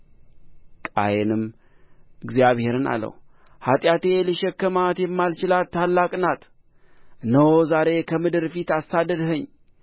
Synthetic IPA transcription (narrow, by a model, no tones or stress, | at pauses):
kʼa̰jɛnɨm | ɨɡzijaβhe̞ɾɨna̰lːə̰w | hat̪ʼjat̪e̞liʃɛkːəmat̪jɛmːalt͡ʃɪlat̪ʰːalːakʼnat̪ | nəwozaɾe̞kʰəmɨd̪ɨɾfit̪asːad̪əd̪həɲː